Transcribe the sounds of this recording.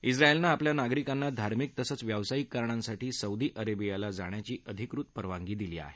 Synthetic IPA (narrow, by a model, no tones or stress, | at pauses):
isɾaelnaːpljanaɡɾikanːad̪ʱaɾmik̚t̪əsət͡sʋjaʋsaikːaɾɳãnsaʈiːsəud̪iːʔəɾebijalad͡zaɳ̃jat͡ɕiːʔəd̪ʱikɾut̪̚pəɾʋãŋɡiːd̪iliːa̰ɦe